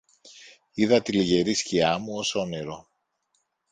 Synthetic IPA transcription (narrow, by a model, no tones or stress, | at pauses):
iðɐt̪iliʝe̞ɾisciɐmuo̞so̞neɾo̞